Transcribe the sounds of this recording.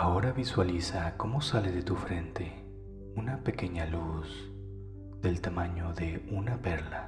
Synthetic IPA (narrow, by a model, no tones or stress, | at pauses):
ao̞ɾaβiswalisako̞mo̞saleðe̞t̪ufɾe̞nt̪e̞ | unape̞ke̞ɲalus | ð̥e̞lt̪amaɲoðe̞unape̞ɾla